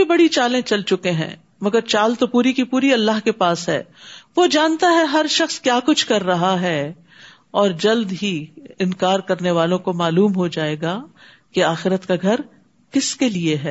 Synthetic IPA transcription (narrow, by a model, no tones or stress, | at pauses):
bʱibɐɽit͡ʃaːlẽt͡ʃɐlt͡ʃʊkẽɦɛ̰̃ː | mɐɡəɾt͡ʃaːlt̪opuːɾikipuːɾiɐlːaɦkepaːsɦɛ̰ːʋod͡ʒaːnt̪aɦɛɦɐɾʃɐxskjaːkʊt͡ʃʰkɐɾːɐɦaɦɛː | ɔːɾd͡ʒɐld̪ɦiɪnkaːɾkɐɾneʋaːlõkomaːluːmɦod͡ʒaːeːɡaː | keaːxɪɾət̪kaɡʱɐɾ | kɪskelieɦɛː